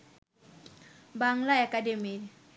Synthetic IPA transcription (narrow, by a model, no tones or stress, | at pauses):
baŋlaakademi